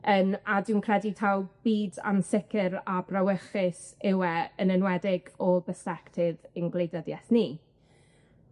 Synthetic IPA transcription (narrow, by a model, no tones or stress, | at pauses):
əmadɪwnkʰr̥ɛditʰalˠb̥iːda̰nsɪkʰɪɾabrawəχɪsɪwɛənənwɛdɪɡɔlˠbəsɛktʰɪðənɡlejdəðjɛθni